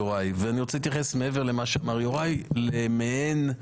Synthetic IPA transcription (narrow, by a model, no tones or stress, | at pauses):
oʁajveaniʁot͡seit̪jaχesmeeveʁlemaʃeamaʁjoʁajlemeen